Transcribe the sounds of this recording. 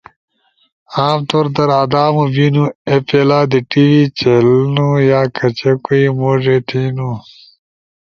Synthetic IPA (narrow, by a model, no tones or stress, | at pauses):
aːmt̪oːɾd̪ɐɾaːd̪aːmubinuepelaːd̪iʈiwit͡ɕelnujaːkʰɐt͡ɕekuimoːʐet̪ʰinu